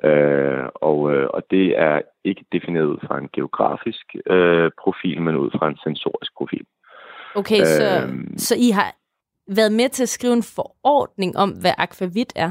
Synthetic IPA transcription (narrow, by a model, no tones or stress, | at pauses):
ʔøɒ̽ʊɒ̽d̥e̝æɐ | e̝ɡ̥ə̥d̥e̝fine̝̰ːɐð̩ˠfʁɑ̈e̝nɡ̥e̝o̝ɡ̥ʁɑ̰̈ːfisɡ̥øpʰʁo̝fḭːlmenuð̞̰ˠfʁɑ̈e̝nsenso̝̰ːɐisɡ̥̚pʰʁo̝fḭːl | okʰesɒsɒ̽iɦɑ̈ | ʋæɐðˠmet͡sʰe̝æsɡ̥ʁiːʊe̝nfɒɒ̰ːd̥ne̝ŋʔɒ̽m̰ʋæʔɑɡ̥ʰʋæʋid̥æɐ